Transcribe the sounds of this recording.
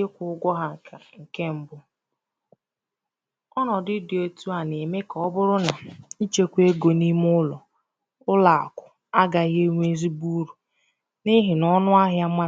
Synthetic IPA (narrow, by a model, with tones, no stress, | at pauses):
ɪ˦kʷʊ˨ʊ˦ɡʷɔ˦ɦa˨a˨ŋ̩˨ke˦m̩˦bʊ˦ | ɔ˦nɔ˨dɪ˦dɪ˨o˦tu˦a˨ne˨me˦kɔ˦bʊ˦ɾʊ˦na˨i˦t͡ʃe˦kʷe˦ɡo˨ni˦m˦ʊ˦lɔ˨ | ʊ˦la˨a̰˨kʷʊ˨ | a˦ɡa˨ɣe˦ŋʷ˦e˦zi˦bu˦ɾu˨ | nɪ˦ɦɪ˨nɔ˦nʊ˦a˦ɦja˦ma˦